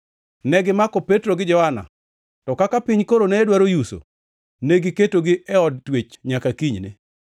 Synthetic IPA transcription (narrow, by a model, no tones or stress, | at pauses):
nɛɡɪmakɔpetɾoɡɪd͡ʒɔhana̰ | tɔkakapɪɲkoɾonɛːdwaɾojuso̰ | neɡɪketoɡɪʔɛɔd̚twet͡ʃɲakakiɲnɪ̰